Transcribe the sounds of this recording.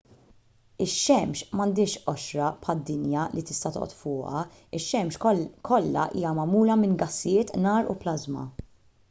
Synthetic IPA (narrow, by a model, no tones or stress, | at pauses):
ɪʃːɛmʃmɐnd̪ɪːʃʔɔʃɾɐpħɐd̪ːɪnjɐlit̪ɪ̥st̪ɐt̪ɔ̰ʔɔ̰t̪fʊːʔɐ̰ | ɪʃːɛmʃkʰɔlːɐ̰ʔiːjɐmɐmuːlɐmɪnɡɐsːɪjɪːt̪nɐːɾṵplɐzmɐ̰